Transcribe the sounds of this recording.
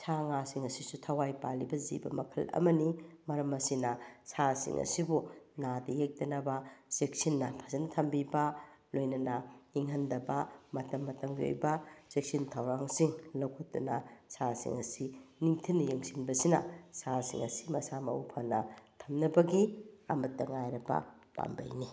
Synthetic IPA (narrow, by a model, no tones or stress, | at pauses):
saŋasiŋɐsisutʰɐwajpalibɐzḭbɐ̰mɐkʰɐlɐ̰mɐnimɐɾɐmɐsinɐsasḭŋʔɐ̰sibunadɐjek̚tɐnɐbɐsek̚sinːɐpʰɐ̥sɐntʰɐmbibɐlojnɐnɐiŋɦɐndɐbɐmɐtɐmːɐtɐmɡio̰jbɐsek̚sintʰɐwɾaŋsiŋlɐwkʰotːunɐsasḭŋɐsiniŋtʰinːɐjeŋsinbɐsinɐ̰sasḭŋɐsi̥mɐsamɐ̰upʰɐnɐtʰɐmnɐbɐɡia̰mɐtːɐŋajɾɐbɐ̰ | pa̰mbɐ̰jni